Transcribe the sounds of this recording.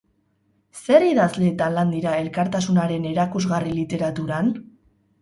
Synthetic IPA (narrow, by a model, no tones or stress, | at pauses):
se̞ɾiðazle̞ːt̪anland̪iɾae̞lkaɾt̪asunaɾe̞ne̞ɾakuzɣarilit̪e̞ɾat̪uɾan